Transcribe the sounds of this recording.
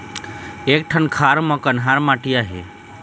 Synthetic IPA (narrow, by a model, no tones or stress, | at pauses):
eːk̚ʈʰənkʰaːɾmɔ̃kənɦaːɾmaʈijaɦḛ